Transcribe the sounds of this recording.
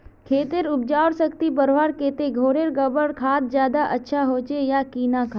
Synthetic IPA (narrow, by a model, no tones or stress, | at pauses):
kʰeːt̪eɾʊp̚d͡ʒaːʊɽsəkt̪ibəɾʋaːɾkeːt̪eɡʱoːɽeɾɡɐbəɽkʰaːt̪̚d͡ʒjaːd̪aʔɐtːʃʰaɦoːt͡ʃejakiːnakʰaː